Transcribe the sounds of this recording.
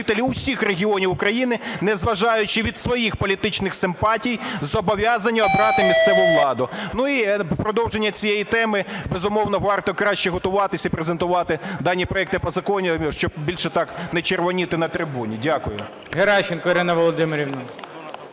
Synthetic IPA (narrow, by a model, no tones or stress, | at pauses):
t̪elʲiʊsʲixreɦʲiɔnʲiwʊkɾɐjinɪnɛzʋɐʒɑjʊt͡ʃɪʋʲid̪sʋɔjixpɔlʲit̪ɪt͡ʃnɪxsɪmpɑtʲijzɔbɔʋʲjɑzɐnʲːɐɔbɾɑt̪ɪmʲist̪sɛʋʊjʊʋlˠɑd̪ʊnuipɾɔd̪ɔwʒenʲːɐt͡sʲijejit̪ɛmɪbezʊmɔwnɔʋɑrt̪ɔkɾɑʃt͡ʃɛɦɔt̪ʊʋɑt̪ɪsʲɐipɾezent̪ʊʋɑt̪ɪd̪ɑnʲːipɾɔɛk̚t̪ɪpɔzɐkɔnʲimʲiʃt͡ʃɔbbʲilʲʃɛt̪ɑknɛt͡ʃerʋɔnʲit̪ɪnɐt̪ɾɪbunʲidʲakʊjʊ | ɦeɾɑʃɪnkɔiɾɪnɐʋɔlˠɔd̪ɪmɪɾʲiwnʊ